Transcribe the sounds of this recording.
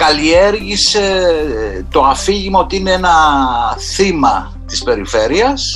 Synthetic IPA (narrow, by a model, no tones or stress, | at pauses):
kɐlieɾʝise | t̪o̞ɐfiʝimo̞t̪iine̞enɐ | θimɐ | t̪ispe̞ɾife̞ɾiɐs